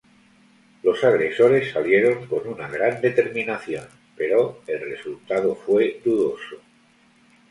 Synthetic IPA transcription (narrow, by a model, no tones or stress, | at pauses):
lo̞saɣɾe̞so̞ɾe̞sːalje̞ɾo̞ŋko̞nunaɣɾand̪e̞t̪e̞ɾmĩnaθjo̞n | pe̞ɾo̞e̞lre̞sult̪aðo̞fwe̞d̪uðo̞so